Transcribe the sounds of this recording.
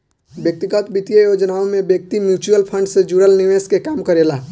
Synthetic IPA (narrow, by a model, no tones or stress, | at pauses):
bjək̚t̪iɡət̪bit̪ijəjod͡ʒnaõmebjək̚t̪imjut͡ʃuəlpʰə̃ɳɖsẽd͡ʒuɽəlniʋeskekamkəɾela